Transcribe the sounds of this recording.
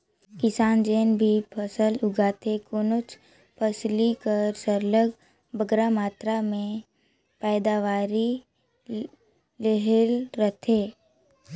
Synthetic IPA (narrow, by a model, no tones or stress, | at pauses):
kɪsaːnd͡ʒeːnbʱipʰəsəlʊɡaːt̪ʰekoːnot͡ʃ | pʰəslikəɾsəɾləɡ | bəɡɾamaːt̪ɾamẽ | pɛːd̪aʋaːɾi | leɦəlɾət̪ʰeː